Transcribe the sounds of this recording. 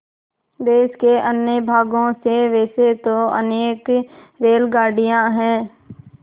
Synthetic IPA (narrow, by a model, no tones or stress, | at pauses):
d̪eːskeʔənjəbʱaːɡõseʋɛːset̪oə̰neːk | ɾeːlɡaːɾɖijãɦɛ̃ː